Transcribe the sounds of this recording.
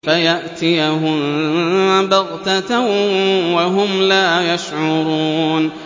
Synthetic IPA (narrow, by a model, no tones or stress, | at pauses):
fajaʔt̪ɪjaɦʊm | bɑɣt̪at̪awwaɦʊmlaːjaʃʕʊɾˤuːn